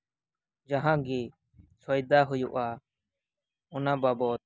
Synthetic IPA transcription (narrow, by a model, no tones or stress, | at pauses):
d͡ʒəɦãːɡiː | səjd̪aːɦʊjṵʔaː | ʊnãːbaːboːt̪